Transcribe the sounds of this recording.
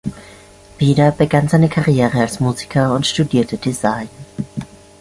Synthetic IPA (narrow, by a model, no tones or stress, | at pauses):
v̥iːdɐbəɡanzaɪnəkʰaʁijeːʁəalsmuːzikʰɐʊntʃtudiːɐtʰədizaɪn